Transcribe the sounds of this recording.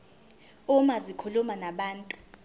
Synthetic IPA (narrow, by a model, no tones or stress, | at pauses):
umazikʰulumanaɓaːntʼu̥